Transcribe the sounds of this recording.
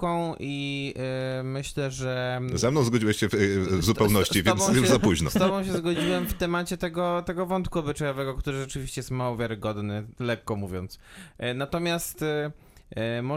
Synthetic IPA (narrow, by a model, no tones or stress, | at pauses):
kɔ̃w̃ʔi | mɘɕlɛʐɛzɛmnɔ̃w̃zɡɔd͡ʑiwɛɕɕɛvzupɛwnɔɕt͡ɕivʲjɛnɔ̃juzapuʑnɔ̰st̪ɔbɔ̃w̃ɕ̬ɛzɡɔd͡ʑiwɛmft̪ɛmat͡ɕɛt̪ɛɡɔt̪ɛɡɔvɔnt̪kuɔbɘt͡ʂajɔvɛɡɔkt̪uɾɘʐɛt͡ʂɘvʲiɕt͡ɕɛjɛst̪mawɔvʲjaɾɘɡɔd̪nɘlɛkːɔmuvʲjɔ̃nt̪snat̪ɔmʲjast̪ | mɔ